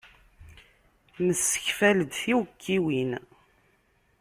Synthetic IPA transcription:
məsːə̥çfæləd̪θiwəkʰːiwin

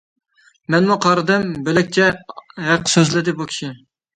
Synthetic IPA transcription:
mɛnmuqʰɑɾɨd̪ɨmbelɪkʲt͡ʃʰɛɦæqʰːə̥søzlɪd̪ɪbukʲʰi̥ʃi

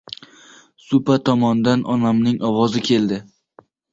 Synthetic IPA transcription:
sʊpat̪ʰɒmɒnd̪anʔɒnamnɪŋʔɒwɒzɪkʲʰe̞ld̪ɪ

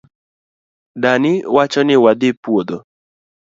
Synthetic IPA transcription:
danɪwat͡ʃɔnɪwad̪ɪpwod̪ɔ

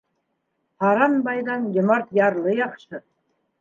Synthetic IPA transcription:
hɑɾɑnbɑjd̪ɑnjʲĕmɑɾt̪jɑɾlˠɤjɑqʃɤ

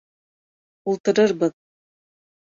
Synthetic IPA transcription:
ulˠt̪ɤ̆ɾɤɾbɤð

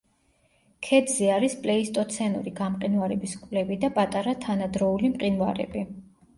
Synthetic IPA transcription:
kʰɛd̪zɛaɾispʼlɛist̪ʼɔt̪sʰɛnṵɾiɡamqʼinvaɾɛbiskʼvlɛbid̪apʼat̪ʼaɾat̪ʰanad̪ɾɔulimqʼinva̰ɾɛ̰bi

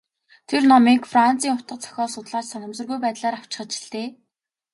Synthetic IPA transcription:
t̪ʰernɔmiːŋkfran̥t͡siːŋʊt̪ə̆t͡sʰœ̥xʲɔːsʊt̪ɮaːt͡ɕsanə̆msə̆rɣujpæːt̪ɮaːɾaw̥t͡ɕɪ̥̆χə̆t͡ɕɪ̆ɬt̪eː

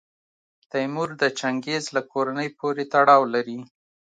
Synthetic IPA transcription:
t̪ajmuɾd̪ət͡ʃaŋɡezlakʰoɾanəjpoɾet̪aɽɑwlaɾi

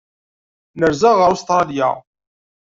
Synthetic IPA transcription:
nəɾzəʁəɾust̪ɾˤɑlija̰

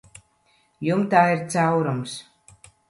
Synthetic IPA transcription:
jumt̪aːiɾt̪sawɾums

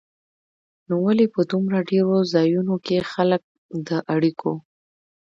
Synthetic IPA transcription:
nowalepəd̪umɾaɖeɾozɑjunokexalək̚ | d̪əʔaɽikʰo

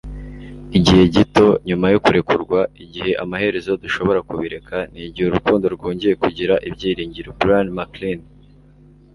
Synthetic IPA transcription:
iɟihe̞ɟito̞ɲumajokuɾe̞kuɾɡwaiɟihe̞ʔamahe̞ɾe̞zo̞duʃo̞βo̞ɾakuβiɾe̞kʰaniːɟihuɾukuːndo̞ɾɡo̞ːɲɟije̞kuɟiɾaʔibɟiːɾiːɲɟiɾobɾanmaklin

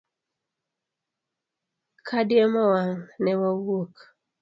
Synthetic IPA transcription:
kʰadjemawaŋnɛwawok

